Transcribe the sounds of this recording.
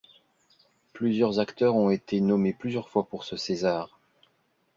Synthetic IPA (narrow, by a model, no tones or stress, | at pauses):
plyzjœʁzakt̪œʁɔ̃et̪ʰenɔmeplyzjœʁfwapuʁsəsezaːʁ